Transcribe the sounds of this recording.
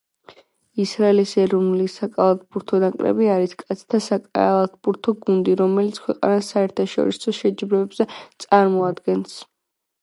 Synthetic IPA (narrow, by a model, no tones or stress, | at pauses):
isɾaɛlisɛɾɔnlisakʼalˠat̪̚ʰbuɾt̪ʰɔd̪aŋkʼɾɛ̰biaɾiskʼat̪sʰt̪ʰasakʼa̰alˠat̪ʰbuɾt̪ʰɔɡund̪iɾɔmɛlit̪sʰkʰwɛqʼa̰nasaɛɾt̪ʰaʃɔ̰ɾisɔʃɛd͡ʒbɾɛɛbzɛt̪sʼaɾmɔad̪ɡɛns